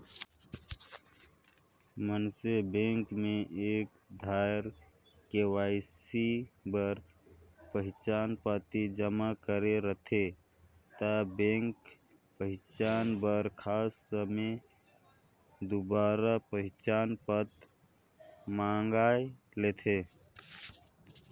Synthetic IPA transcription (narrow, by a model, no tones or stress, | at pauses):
mənsebẽŋkmeʔek | d̪ʱaɪɾ | kewaɪsibəɾ | pəɦɪt͡ʃanpət̪id͡ʒəmakəɾeɾət̪ʰe | t̪əbẽŋk | pəɦɪt͡ʃanbəɾkʰasːəme | d̪ubaɾapəɦɪt͡ʃanpət̪ | maŋɡae | let̪ʰe